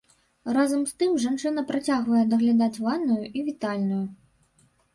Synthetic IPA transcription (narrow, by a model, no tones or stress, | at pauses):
razɐmst̪ɨmʐant͡ʂɨn̪ɐpɾat͡sʲaɣvɐjɛd̪ɐɣlʲad̪at͡sʲvanːujuʔivʲit̪alʲnuju